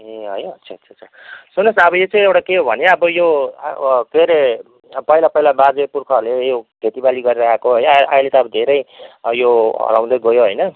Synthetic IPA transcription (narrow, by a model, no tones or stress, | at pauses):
ẽɦʌjʌtsʰaʌt͡sʰat͡sʰʌ | sunʌsʌbʌjot͡sʌ̃j̃ewʈakeɦobʱʌnjeʌbʌjo | keɾe | pʌilapʌilabad͡zepurkʰʌrlejobʱet̪ibaliɡʌɾiɾʌɦakoɦʌjnʔajlet̪ʌːbʌd̪ʱeɾʌjjoʌ̰ɾa̰w̃d̪ʌjɡʌjoɦʌjnʌ